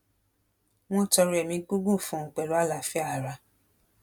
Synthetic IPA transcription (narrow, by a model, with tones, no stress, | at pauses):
w̃ɔ̃˦˨tɔ˧ɾu˧ɛ˨mĩ˧˦k͡pu˦ɡu˦˨fũ˧˦ŋ̩˨k͡pɛ˨lo˨˦a˦˨la˨fɛ˦a˦˨ɾa˧